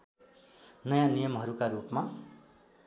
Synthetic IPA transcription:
nʌjãnijʌmɦʌɾukaɾupma

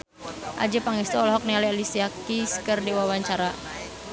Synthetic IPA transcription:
ʔa̰d͡ʒəpaŋɛst̪ɔɔlɔɦɔk̚nialialisiakiskərdiwawaɲt͡ʃaɾa

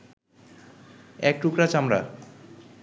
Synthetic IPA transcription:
ɛk̚ʈukɾat͡ɕamɾa̰

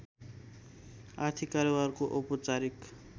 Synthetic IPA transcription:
art̪ʰikaɾobarkoʔopɔt͡saɾik

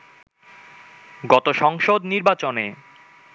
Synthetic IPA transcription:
ɡɔt̪oʃɔŋʃod̪niɾbat͡ɕone

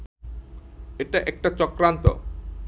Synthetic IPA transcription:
eʈaʔɛk̚ʈat͡ɕɔkɾant̪o̰

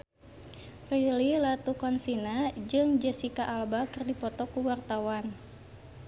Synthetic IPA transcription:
rililat̪ukɔnsinad͡ʒɨŋd͡ʒɛsikaʔalbakɨrdipɔt̪ɔkuwart̪awan

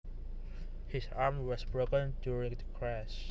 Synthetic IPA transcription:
hɪsaɹmwɔsbɹokə̃ndjuɹɪ̃ŋdəkʰɹɛs

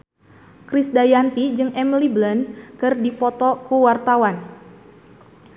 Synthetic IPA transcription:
kɾisdajant̪id͡ʒɨŋɛmiliblənkɨrdipɔt̪ɔkuwart̪awan

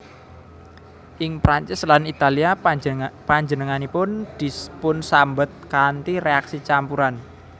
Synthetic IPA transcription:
ʔɪŋpɾaɲt͡ʃɪslanit̪alia | paɲd͡ʒənəŋanipʊnd̪̥ipʊnsambət̪̚kant̪iɾeaksit͡ʃampuɾan

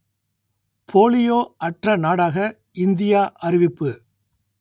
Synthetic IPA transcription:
pʰoːlɪjoːʔɐʈrɐnaːɽaːɣɐ | ɪnd̪ɪjaːʔɐɾɪʋɪpːɯ

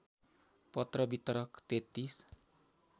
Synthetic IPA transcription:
pɔt̪ɾɔbit̪ɾɔkt̪et̪is

